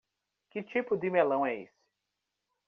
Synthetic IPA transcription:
kɪt͡ʃipʊd̪ɪmelɐ̃w̃ɛḛsɪ̥

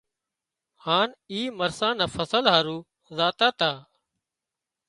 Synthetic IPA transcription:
haːniːməɾsãːnafəsəlɦaːɾuː | zaːt̪aːt̪aː

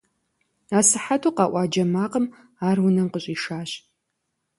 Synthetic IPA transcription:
aːsɨħatʰuqɑːʔʷɑːd͡ʒɐmaːqəm | aːrwʊnɐmqəɕʼiːʃaːɕ

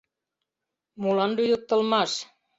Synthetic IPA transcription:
mulɑnd̪ujut̪ːɤ̆lˠmɑs

